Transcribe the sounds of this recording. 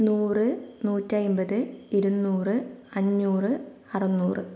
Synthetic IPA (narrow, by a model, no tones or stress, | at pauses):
nuːrɨnuːtːɐjmbɐðɨiɾunːuːrɨɐɲːuːrɨ | ɐrɐnːuːrɨ